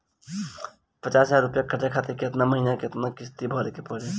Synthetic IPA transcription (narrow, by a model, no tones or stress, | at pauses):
pət͡ʃasaɾupjakʰəʈjakʰat̪ekeət̪naməɦinakeət̪nakist̪ibʱɔlkepəɽe